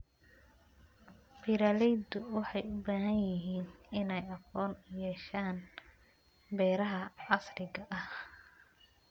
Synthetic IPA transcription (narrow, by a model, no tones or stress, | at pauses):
biɾaːlɛjd̪ʊwɑħɑjʊbaːɦɐnjɪɦiːnɪnɛjɑqɔːnjɛːʃaːn | bɛːɾɐɦɐɑslɪɣɐʔɐh